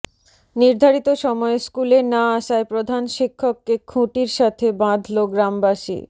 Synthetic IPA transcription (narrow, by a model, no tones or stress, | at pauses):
niɾd̪ʱaɾit̪oʃɔmɔeskulenaaʃaepɾod̪ʱanʃikʰːokːekʰũʈiɾʃat̪ʰebãd̪ʱloɡɾambaʃḭ